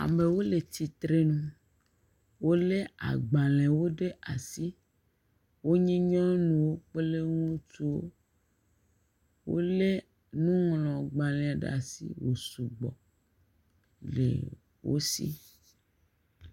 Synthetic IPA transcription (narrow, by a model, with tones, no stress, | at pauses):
a̰˨me˨wo˦le˨t̪i˨t̪ɾe˦nũ˨ | wo˦le˦a̰˨ɡ͡ba˨lẽ˨wo˦ɖe˦ʔa˨si˦ | wo˦ɲɛ̃˦ɲɔ̃˦nũ˨wo˦k͡pe˦le˦ŋũ˦tu˦wo̰˦ | wo̰˦le˦ | nũ˦ŋlɔ̃˨ɡ͡ba˨lɛ̃˨a˨ɖ̰a̰˨sḭ˦wo˨su˨ɡ͡bɔ̰˨ | lḛ˨ | wo̰˦sḭ˦